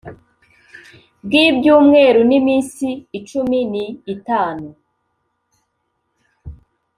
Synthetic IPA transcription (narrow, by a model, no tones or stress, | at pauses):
b̚ɡibɟuːmŋe̞ːɾunimiːnsiːt͡ʃuminiːtaːnu